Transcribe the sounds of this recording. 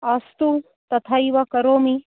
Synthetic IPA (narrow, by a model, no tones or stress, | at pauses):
ɐst̪u | t̪ɐt̪ʰaiʋɐkɐɾoːmi